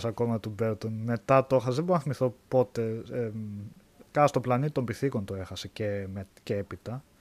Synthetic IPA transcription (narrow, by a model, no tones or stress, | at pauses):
sɐko̞mɐt̪ubeɾt̪onme̞t̪ɐt̪ooxɐsðeboɾnɐθimiθo̞po̞t̪e̞ | kɐɐst̪oplɐnit̪it̪ombiθiko̞nt̪oe̞xɐse̞cemeceepit̪ɐ